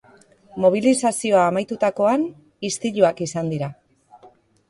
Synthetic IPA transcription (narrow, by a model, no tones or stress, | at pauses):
mo̞β̞ilisasio̞aːmajt̪ut̪ako̞an | ist̪iʎuakisand̪iɾa